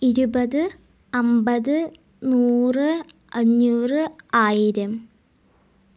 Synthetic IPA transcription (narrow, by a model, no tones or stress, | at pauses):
iɾubɐðɨ | ɐmbɐðɨ | nuːrɨ | ɐɲːuːrɨaːjiɾɐm